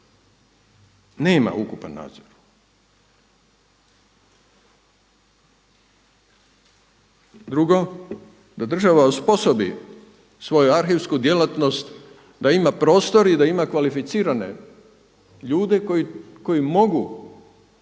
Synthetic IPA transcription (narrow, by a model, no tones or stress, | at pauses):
neːma̰ukupanːa̰ːd̪zoɾ | d̪ɾuɡo̞ | d̪ad̪r̩ʒaʋauspo̞sobḭ | sʋo̞juaɾxeʋskud̪je̞lat̪no̞st̪ | d̪aimapɾo̞ːst̪o̞ɾid̪aimakʋalifit̪siːɾane̞̰ | ʎuːd̪e̞koi | ko̞jimo̞ɡu